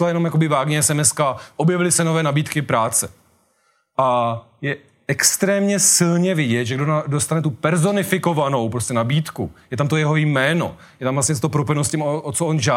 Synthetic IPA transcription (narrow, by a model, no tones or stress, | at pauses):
lajɛno̞mjakobɪvaːɡɲɛɛsɛmɛskaʔobjɛvɪlɪsɛnovɛːnabiːt̪kɪpɾaːt͡sɛ | ʔa | jɛ | ɛkst̪ɾɛːmɲɛsɪlɲɛvɪɟɛt̪ʒɛɡdonadost̪anɛt̪upɛɾzo̞nɪfɪko̞vano̞wpɾoscɛnabiːt̪kujɛt̪amt̪̬o̞jɛɦo̞jmɛːno̞̰ | jɛt̪amvlastɲɛst̪opɾopɪnoscɛmoʔot͡soʔonʒaː